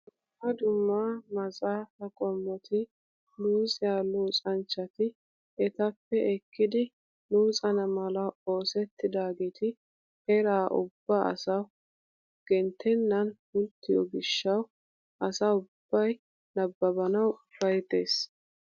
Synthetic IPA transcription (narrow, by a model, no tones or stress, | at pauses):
ɐd̪ʊmːaːmɐsʼaːt̪ɐkʼɔmːɔt̪ʰɪ | luːsʼɪjaluːt͡sʼɐnt͡ʃːɐt̪ɪ | ɛt̪ɐpːɛʔɛkːɪd̪ɪ | luːt͡sʼɐnɐmɐlɐo̞ːsɛt̪ːɪd̪aːɡeːt̪ɪ | hɛɾaːʔʊ̰bːaʔɐ̰saw | ɡ̥ɛnt̪ʰːɛnːɐnhʊlt̪ːɪjɔ̰ɡɪʃːɐw | ʔɐsɐʊb̥ːɐj | nɐbːɐbɐnɐwb̥ɐjt̪eːs